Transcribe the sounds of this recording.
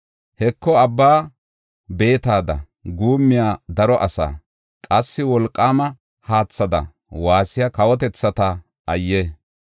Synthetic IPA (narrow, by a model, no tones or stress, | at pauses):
hɛkːɔɐbːaː | be̞ːt̪aːd̪ɐ̰ | ɡuːmːɪjaːd̪ɐɾɔʔɐsa̰ː | kʼɐsːɪwɔlkʼːaːmɐ | haːt͡sːɐd̪ɐ̰ | waːsɪjakɐwɔt̪̬ɛt͡sːɐt̪ɐ | ɐjːe